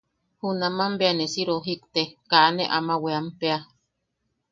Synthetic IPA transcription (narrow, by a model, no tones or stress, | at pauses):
hunamambeanesiɾoɦikt̪ekanḛʔa̰maweampea